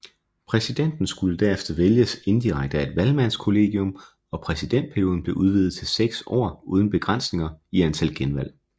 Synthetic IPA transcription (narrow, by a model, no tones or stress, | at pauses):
pʰʁɛsid̥en̰d̥n̩sɡ̥uləd̥æɐefd̥ɐʋeljəse̝nd̥iʁɑ̈ɡ̥̚d̥əæe̝d̥ʋælmæn̰skʰo̝le̝̰ːɡ̥iɔ̽m | ɒ̽pʰʁɛsid̥en̰d̥̚pʰæɐijo̝ːðˠn̩b̥le̝ʔuð̞ˠʋið̩ˠt͡sʰe̝lseɡ̥sɒ̰ːuːð̞ˠn̩b̥e̝ɡ̥ʁän̰sne̝ŋɐiænt͡sʰæl̰ɡ̥enʋæl̰